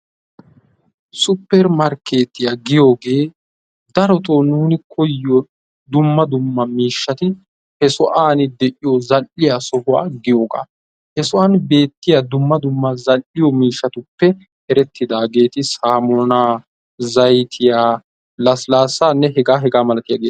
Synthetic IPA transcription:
sʊpːɛɾmɐɾke̞ːt̪ːɪjaɡɪjo̞ːɡe̞ː | d̪ɐɾɔt̪oːnuːnɪkʰɔjːɔ | d̪ʊmːɐd̪ʊmːɐmiːʃːɐt̪ɪ | hɛsɔʔaːnɪd̪ɛʔɪjɔzɐlʔɪjasɔhʊa̰ːɡɪjo̞ːɡa̰ː | hɛsɔʔaːnbe̞ːt̪ːɪjad̪ʊmːɐd̪ʊmːɐzɐlʔɪjɔmiːʃːɐt̪ʊpːɛ | hɛɾɛt̪ːɪd̪aːɡe̞ːt̪ɪsaːmɔːnaː | zɐjt̪ʰɪjaː | lɐslaːsaːnːɛɦɛɡaːɦɛɡaːmɐlɐt̪ɪjaːɡeː

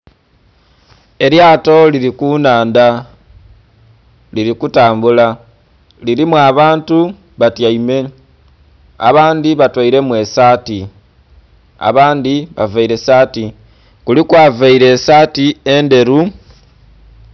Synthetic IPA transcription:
e̞ɾjaːto̞liɾikunaːnda | liɾikutaːmbula | liɾimwaβaːntu | βatjaime̞ | a̰βaːndiβatwaiɾe̞mwe̞saːti | a̰βaːndiβa̰vaiɾe̞saːti | kulikwaːvaiɾe̞saːtie̞nde̞ɾu

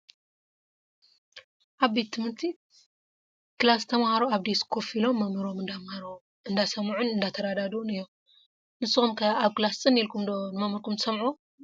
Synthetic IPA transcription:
ʔaβbe̞t̪ʰːɨmɨɾt̪ʰi | kɨlast̪ʰɐmahaɾoaβd̪eskʰofilo̞mːɐmɨɾo̞mɨnd̪amhaɾ | ɨnd̪asɐmʕunɨnd̪at̪ʰɐɾad̪ad̪unɨjːo | nɨsɨxumkʰɐaβkɨlast͡sʼɨnːilkʰumd̪onmɐmɨɾkʰumt̪sɐmʕu

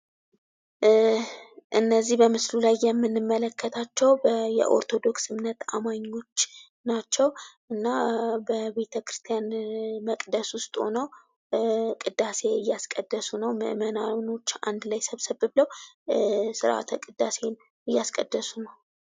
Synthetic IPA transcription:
ʔɨnːəzːihbəmɨslulajːɛmːɨnːɨmːələkʰːət̪ʰat͡ʃːɛwbjɛ̰ʔo̞̰ɾt̪ʰo̞d̪o̞ksɨmnːət̪a̰maɲːo̞t͡ʃː | nat͡ʃːɛwʔɨnːabəβe̞t̪ʰəkɾɨst̪ʰjanməkʼd̪əswʊst̪ʼho̞̰nəw | kʼɨd̪ːase̞ɨjːaskʼəd̪ːəsunəwmɨ̰ʔmənano̞t͡ʃːa̰nd̪lajsəβsəβɨbləw | sɨɾʔa̰t̪ʰkʼɨd̪ːase̞n | ɨjːaskʼəd̪ːəsunəw

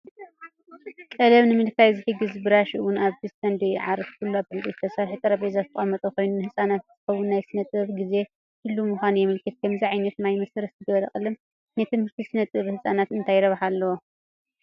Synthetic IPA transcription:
kʼɐlɐβnɨmɨnkajzɨħɨɡɨzbɨɾaʃiɨwʊnaβd̪ɨsɐnd̪ojʕaɾɐfkʰuluabɨɨnʼet̪t̪ʰɐsalħɨt̪ʼɨɾɐbezat̪ɨχʼɐmɐt̪ʼɐkʰo̞jnunɨhɨsʼanat̪z̥ɨxɐwunːajsɨnɐt̪ʼɨβɡize̞ | hɨlːumuxʷanujɛmɨlkʰɨt̪̚kʰɐmziʕajnɐt̪najmɐsɐɾɐszɨɡɐβɐlɐxʼɨlɨm | nɐt̪ʰɨnhɨɾt̪ʰisɨnɐt̪ʼɨβhɨsʼanat̪ɨnt̪ʰajɾɐβħalːɐwo

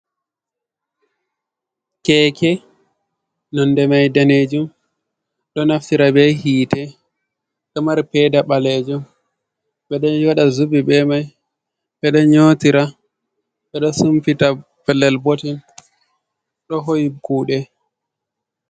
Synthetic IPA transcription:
kɛkʰɛ | nɔndɛmajdaned͡ʒum | ɗɔnaftiɾabɛhiːtɛ | ɗɔmaɾpɛdaɓalɛd͡ʒum | ɓɛɗɔɔɗazubibɛmaj | ɓɛɗɔɲotiɾa | ɓɛɗɔsumfita | bɛlːɛlbotin | ɗɔɦojikuːɗɛ

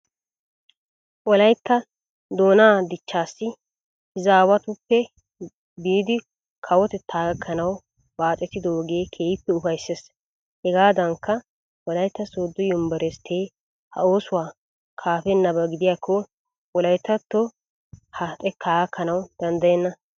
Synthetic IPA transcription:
ʔɔlɐjt̪ːɐ | d̪o̞ːnaːd̪ɪt͡ʃːaːsːɪ | hɪzaːwɐt̪ʊpːɛ | biːd̪ɪ | kʰɐwɔt̪ɛt̪ʰːaːɡɐkʰːɐnɐw | baːt͡sʼːɛt̪ːɪd̪ɔoːɡe̞ːkʰeːjɪpːɛʊfɐjsːes | hɛɡaːd̪ɐŋkːɐ | ʔɔlɐjt̪ːɐsoːd̪ːɔjʊmbɐɾɛst̪ʰeː | hɐ̰o̞ːsʊwaː | kʰaːfɛnːɐbɐɡɪd̪ɪjaːkʰːɔ | wɔlɐjt̪ːɐt̪ːɔ | hɐt̪ʼɛt̪ʰːaːɡɐkʰːɐnɐwd̪̥ɐnd̪ɐjɛnːɐ

